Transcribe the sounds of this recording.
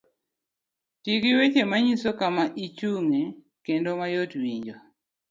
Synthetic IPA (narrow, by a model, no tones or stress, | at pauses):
tiɡiwet͡ʃemaɲisokamaʔit͡ʃuŋe | kendomajotwiɲd͡ʒɔ